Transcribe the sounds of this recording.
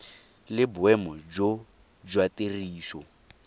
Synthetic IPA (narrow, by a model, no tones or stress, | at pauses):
lɪbʊɛmɔd͡ʒo | d͡ʒwatʼeriːʃɔ